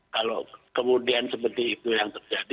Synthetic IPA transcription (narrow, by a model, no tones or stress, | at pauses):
kalo̰kəmudiansəpərt̪iːt̪ujaŋt̪ərd͡ʒad